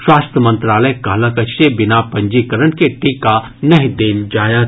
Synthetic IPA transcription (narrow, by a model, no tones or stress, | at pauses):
ʃwaːst̪əmə̃nt̪ɾaːləkɐləkɐebɪnapɐ̃ɲd͡ʒikəɾənkeʈiːka | nɐɦĩd̪eːnd͡ʒaːja